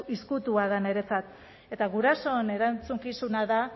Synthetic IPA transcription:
iskut̪uað̞ane̞ɾe̞t͡sat̪ | e̞t̪aɣuɾaso̞ene̞ɾant͡suŋkisunaða

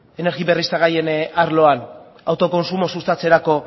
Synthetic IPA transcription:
e̞ne̞ɾɣiβe̞rist̪aɣaje̞naɾlo̞an | awt̪o̞ko̞nsumo̞sust̪at͡se̞ɾako̞

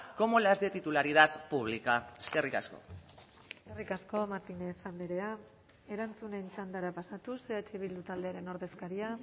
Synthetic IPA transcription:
ko̞molazd̪et̪it̪ulaɾiðat̪puβ̞likae̥skerika̰sko̞̰ | eskerikasko̞maɾt̪inesand̪eɾe̞a | e̞ɾant͡sune̞nt͡ʃand̪aɾapasat̪useat͡ʃeβild̪ut̪ald̪e̞aɾe̞no̞ɾðe̞skaɾia

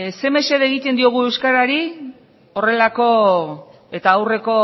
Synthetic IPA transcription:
se̞me̞se̞ðeɣ̞it̪e̞nd̪io̞ɣ̞ue̞wskaɾaɾi | o̞re̞lako̞ | e̞t̪aːwre̞ko̞

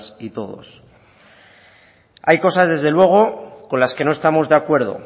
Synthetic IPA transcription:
sit̪o̞ðo̞̰s | ajko̞sazðe̞zðe̞lwe̞ɣ̞o̞ko̞nlaske̞no̞e̞st̪amo̞zðe̞akwe̞ɾð̞o̞̰

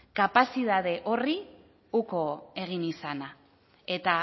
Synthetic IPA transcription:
kapasiðað̞e̞ʔori | uko̞e̞ɣ̞inisana | e̞t̪a

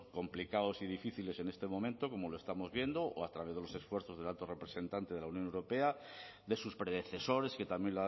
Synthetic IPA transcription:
ko̞mplikaosið̞ifiθile̞se̞ne̞st̪e̞mõ̞mẽnt̪o̞ko̞mo̞loe̞st̪amo̞zβje̞nd̪o̞ʔoat̪ɾaβezðelo̞se̞sfweɾθo̞zðelalt̪o̞re̞pɾe̞se̞nt̪ant̪e̞ð̞e̞launjonewɾo̞pe̞a | d̪e̞suspɾe̞ðe̞θe̞so̞ɾe̞ske̞t̪amjenla

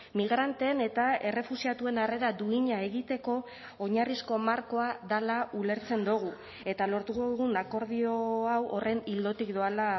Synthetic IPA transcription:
miɣ̞ɾant̪ene̞t̪ae̞re̞fusiat̪ue̞nare̞ɾad̪uiɲae̞ɣit̪e̞ko̞ː | ɲarisko̞maɾko̞aðalaule̞ɾt͡se̞nd̪uɣ̞u | e̞t̪alo̞ɾt̪ukoðuɣ̞unako̞ɾð̞io̞awʔo̞re̞nild̪o̞t̪ikd̪oala

